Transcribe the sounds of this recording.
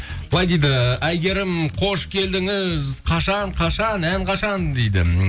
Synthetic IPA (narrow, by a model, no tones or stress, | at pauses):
b̥əlˠɑjd̪ejd̪ɪʔæjɡʲe̞ɾɪmqʰo̞ʃkʲʰe̞ld̪ɪŋɪzqʰɑʃɑɴqʰɑʃɑnæŋqʰɑʃɑnd̪ejd̪ɪ̰